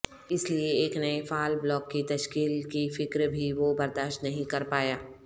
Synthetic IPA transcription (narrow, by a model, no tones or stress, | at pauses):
ɪslieeːknɐefaːlblɔːkːit̪ɐʃkiːlkifɪkɾbʱiʋobɐɾd̪aːʃt̪nɐɦĩkɐɾpaːjaː